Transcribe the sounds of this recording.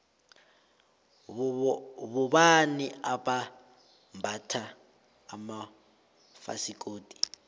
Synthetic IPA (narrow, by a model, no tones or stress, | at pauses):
βuβaniʔaβa | mbʱatʰaː | ma | fa̰sikʼoːtʼi̥